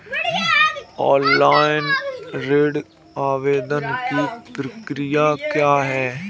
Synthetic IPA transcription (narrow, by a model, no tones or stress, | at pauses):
ɔːnlaːɪnɾeːɖ | aːʋeːd̪ənkipɾɐkɾijakjaːɦɛː